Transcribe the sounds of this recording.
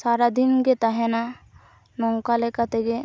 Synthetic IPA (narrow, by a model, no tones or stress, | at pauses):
saɾad̪inɡɛt̪aɦɛna | nɔŋkalɛkat̪ɛɡɛ